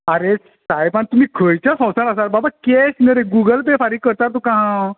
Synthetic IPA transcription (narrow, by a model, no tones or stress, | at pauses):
əɾe | sajpant̪um̤iːkʰəjt͡ɕjasɔ̃wsaɾəsaɾbabakesnəɾeɡuɡəlpefaɾiːkəɾt̪aɾt̪ukãɦã